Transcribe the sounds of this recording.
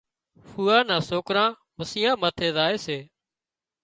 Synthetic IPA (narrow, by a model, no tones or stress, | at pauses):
fuːãːnãːsoːkɾãː | məsɪjãːmaːt̪ʰeːzaːeːseː